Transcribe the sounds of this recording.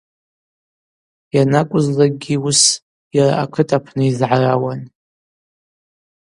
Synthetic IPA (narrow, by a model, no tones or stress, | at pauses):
janakʷʼʊzlaɡʲius | jara̰akʰɨtʰʼapʰnɨizʕarawan